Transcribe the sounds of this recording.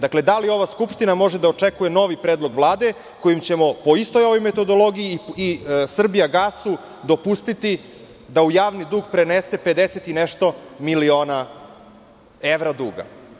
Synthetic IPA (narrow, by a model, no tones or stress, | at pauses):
d̪akle̞d̪alio̞ʋaskupʃt̪inamo̞ʒed̪aot͡ʂekuje̞no̞ʋipɾeːd̪lˠoɡʋlˠaːd̪e̞ | ko̞jimt͡ɕe̞mo̞po̞ist̪o̞jo̞ʋo̞jme̞t̪o̞d̪o̞lˠo̞ɡijiisr̩bijaɡasu | d̪o̞pust̪it̪i | d̪aujaːʋnid̪uːɡpɾenese̞pe̞d̪eset̪ineʃt̪o̞milio̞ːna | eʋɾad̪uːɡa̰